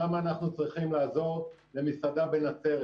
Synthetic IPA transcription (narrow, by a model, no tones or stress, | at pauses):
amaːnaχnut͡sʁiχimlaːzo̞ʁle̞misad̪abenat͡se̞ʁ